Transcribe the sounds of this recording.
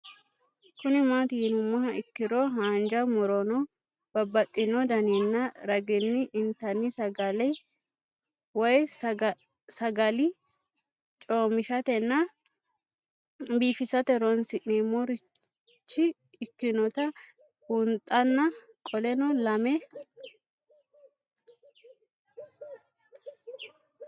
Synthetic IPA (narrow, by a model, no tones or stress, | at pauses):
kʊnɪmaːt̪ɪɪnʊmːɐhɐɪkːɪɾɔɦaːnd͡ʒɐmɔɾɔnɔ | b̥ɐbːɐt̪ʼːɪnɔd̪ɐninːɐɾɐɡɪnːɪʔɪnt̪ɐnːɪsɐɡɐlɛ | wɐj | sɐɡɐlɪ | t͡ʃʼoːmɪʃɐt̪ɛnːɐ | biːfɪsɐt̪ɛɾɔnsɪʔeːmɔɾɪ | t͡ʃːɪː | kːɪnɔt̪ɐ | ʊnt̪ʼɐnːɐ | kʼɔlɛnɔlɐmɛ